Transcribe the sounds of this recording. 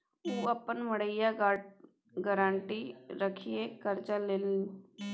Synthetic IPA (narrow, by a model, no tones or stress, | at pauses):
uːəpːənməɽəjaɡa | ɡəɾãːɳʈiɾəkʰijekəɾt͡ʃəleːl